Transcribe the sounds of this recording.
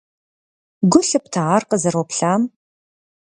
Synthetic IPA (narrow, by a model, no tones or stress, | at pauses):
ɡʷʊɬɨptʰaʁarqəzɐrwɔpɬaːm